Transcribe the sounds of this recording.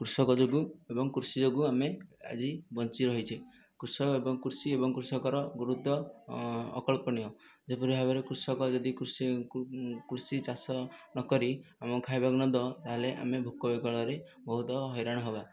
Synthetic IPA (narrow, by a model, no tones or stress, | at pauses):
kɾusɔkɔd͡ʒoɡuebɔŋkuɾsid͡ʒoɡuamea̰d͡ʒibɔnt͡ʃiɾɔɦit͡ʃʰi | kuɾsɔebɔŋkuɾsiebɔŋkuɾsɔkɔɾɔɡuɾud̪ʱːɔ̰ː | kɔɭpɔnijɔ | d͡ʒepɔɾibʱabɔɾekɾuɾsɔkɔd͡ʒɔd̪ikuɾs | kuɾsit͡ʃasɔnɔkɔɾiamɔkʰajbaknɔd̪ɔt̪aɦeleʔa̰mebʱukːɔbeɡɔɭɔɾebɔɦut̪ɔɦɔjɾaɽ̃ɔɦeba